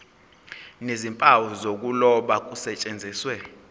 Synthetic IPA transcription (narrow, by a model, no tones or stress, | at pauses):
nezimpʼawɔzok̬ʼulɔɓak̬ʼusɛt͡ʃʼend͡zʱiːswɛ